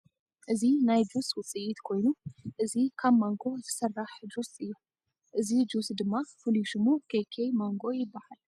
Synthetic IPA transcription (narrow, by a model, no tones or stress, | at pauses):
ʔɨzinajd͡ʒuswʊt͡sʼiʔit̪kʰo̞jnuʔɨzikʰaβmaŋɡo̞t̪ʰɨ̥sɐrːaħd͡ʒusɨjːu | ʔɨzid͡ʒusd̪ɨmːafɨluʃɨmukʰekʰejmaŋɡo̞jɪbːahal